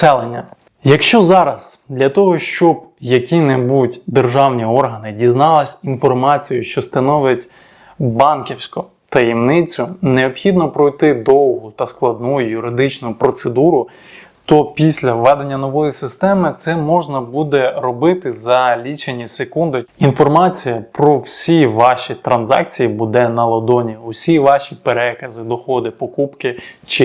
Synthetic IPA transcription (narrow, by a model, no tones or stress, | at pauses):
sɛlˠenʲːɐ | jɐkʃt͡ʃɔzɑɾɐz̥ | d̪lʲɐt̪ɔɦɔʃt͡ʃɔbjɐkʲinebutʲd̪erʒɑwnʲiɔrɦɐnɪdʲiznɑlˠɪsʲinfɔrmɑt͡sʲijʊʃt͡ʃɔst̪ɐnɔʋjɐtʲ | bɑnkʲiwsʲkʊ | t̪ɐjimnɪt͡sʲʊneɔpxʲid̪nɔpɾɔjt̪ɪd̪ɔlˠɦʊt̪ɐsklˠɐd̪̚nujʊjuɾɪd̪ɪt͡ʃnʊpɾɔt̪sed̪uɾʊ | t̪ɔpʲisʲlʲɐʋɛd̪enʲːɐnɔʋɔjisɪst̪ɛmɪt̪sɛmɔʒnɐbud̪ɛɾɔbɪt̪ɪzɐlʲit͡ʃenʲːisekund̪ɪinfɔrmɑt͡sʲijɐpɾɔwsʲiʋɑʃʲit̪ɾɐnzɑ̰k̚t͡sʲijibud̪ɛnɐlˠɐd̪ɔnʲiʊsʲiʋɑʃʲipeɾɛkɐzɪd̪ɔxɔd̪ɪpɔkupkɪt͡ʃɪ